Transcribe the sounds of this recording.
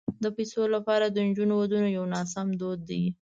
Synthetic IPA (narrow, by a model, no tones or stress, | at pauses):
d̪əpajsolapɑɾad̪ənd͡ʒunowad̪unojawnɑsamd̪od̪̚ːi